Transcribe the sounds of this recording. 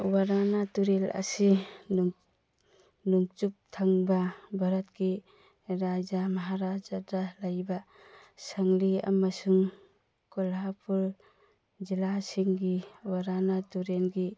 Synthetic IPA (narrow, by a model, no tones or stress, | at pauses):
waɾanatuɾela̰si | nuŋt͡ʃup̚tʰaŋbabʱaɾat̚ɡi | ɾad͡ʒamaɦaɾad͡ʒadalajba | saŋlia̰masuŋ | kɔlɦapʰuɾ | d͡ʒilasiŋɡiwaɾanatuɾelɡi